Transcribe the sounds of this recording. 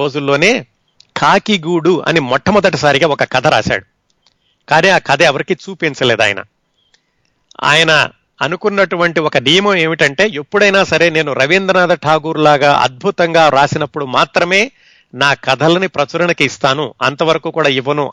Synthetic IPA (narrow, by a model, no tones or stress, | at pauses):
o̞ːd͡ʒulːo̞ːne̞ː | kʰaːkiɡuːɽuɐ̰nimɔʈʰːɐmɔd̪ɐʈ̬isaːɾiɡaːɔkɐkɐd̪ʱɐɾa̰ːʃa̰ːɽu | kaːniːaːkɐd̪ʱɐɐʋɐɾikit͡ʃuːpint͡ʃɐleːd̪a̰ːjɐ̰nɐ̰ | a̰ːjɐnɐ | ɐ̰nukunːɐʈuʋɐɳʈiɔkɐɖijmoːe̞ːmiʈɐɳʈe̞ːepːuɽɐjnaːsɐɾe̞ːne̞ːnuɾɐʋind̪ɾɐnaːd̪ɐʈʰaːɡuːɾlaːɡaːʔɐ̰d̪̚bʱut̪ɐŋɡaːɾaːsinɐpːuɽumaːt̪ɾɐme̞ː | naːkɐd̪ʱɐlɐnipɾɐt͡ʃɐɾɐɳɐkiːst̪aːnuɐ̰nt̪ɐʋɐɾɐkuːkuːɽaːiʋɐnu